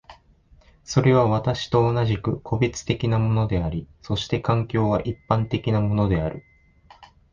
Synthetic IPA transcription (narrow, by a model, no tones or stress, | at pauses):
so̞ɾe̞β̞aβat̪aɕi̥t̪o̞ːnaʑikɯ̟kʰo̞bʲit͡sɨ̥t̪e̞kʲinamo̞no̞d̪e̞aɾʲiso̞ɕi̥t̪e̞kãŋkʲo̞ːβaʔipːãnt̪e̞kʲinamo̞no̞d̪e̞aɾɯ̟